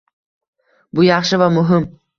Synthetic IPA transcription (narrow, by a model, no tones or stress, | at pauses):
bʊjɑχʃɨvamʊɦɪm